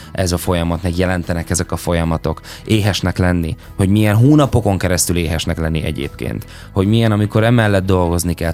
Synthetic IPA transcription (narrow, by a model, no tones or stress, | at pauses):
ʔɛzɒfo̞jɒmɒt̪mɛɡjɛlɛnt̪ɛnɛkɛzɛkɒfo̞jɒmɒt̪o̞k | eːɦɛʃnɛklɛnːi | ho̞ɟmijɛnɦuːnɒpo̞ko̞ŋkɛɾɛst̪yleːɦɛʃnɛklɛnːiʔɛ̰ɟḛːpkḛːnt̪ | ho̞ɟmijɛnɒmiko̞ɾɛmɛlːɛd̪̚d̪ːo̞lɡo̞znikɛl